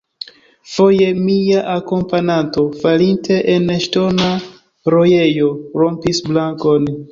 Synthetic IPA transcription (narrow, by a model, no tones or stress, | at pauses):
fo̞je̞miaʔako̞mpananto̞falintʰe̞ʔeneʃto̞na | ɾo̞jejo̞ɾo̞mpisblaŋko̞n